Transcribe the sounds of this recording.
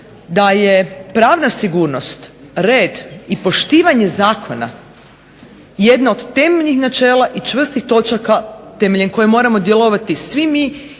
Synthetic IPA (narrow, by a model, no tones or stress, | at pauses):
d̪aje̞pɾaːʋnasiɡuːɾno̞st̪ɾe̞ːd̪ipo̞ʃt̪iːʋaɲe̞zaːkʰo̞na̰ | je̞d̪nao̞d̪t̪e̞meʎixnat͡ʃe̞ːlˠaʔit͡ʃʋr̩st̪ixt̪o̞t͡ʃakat̪e̞me̞ʎenko̞jemo̞ːɾamo̞d̪je̞lˠo̞ʋat̪isʋimi